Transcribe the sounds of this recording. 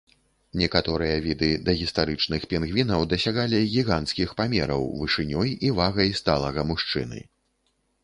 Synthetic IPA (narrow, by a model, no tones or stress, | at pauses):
nʲɛkat̪ɔɾɨjɐvʲid̪ɨd̪ɐɣʲist̪aɾɨt͡ʂnɨxpʲɛnɣvʲinɐwd̪ɐsʲaɣalʲiɣʲiɣant̪skʲixpamʲɛɾɐ̰wvɨʂɨnʲɔjivaɣɐjst̪alˠɐɣɐmuʂt͡ʂɨ̰nɨ̰